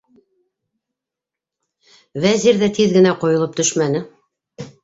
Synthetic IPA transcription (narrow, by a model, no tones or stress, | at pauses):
væziɾðæt̪iðɡɘ̆næqŏjŏlˠɤp̚t̪ɵʃmænɘ